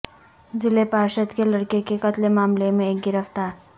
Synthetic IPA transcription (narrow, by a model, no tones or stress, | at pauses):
zɪlepaʃəd̪keləɽkekekət̪lemaːmlemẽek̚ɡɪɾəft̪aːɾ